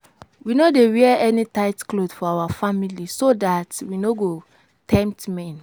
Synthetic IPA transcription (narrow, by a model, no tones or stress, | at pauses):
winodewɛɛnitaɪtklodfɔawafamilisodatwinoɡo | tʰɛ̃mp̚tmɛ̃n